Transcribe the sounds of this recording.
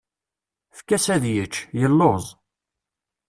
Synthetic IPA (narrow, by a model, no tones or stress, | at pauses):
fkːæsæðjət͡ʃːjəlːozˤ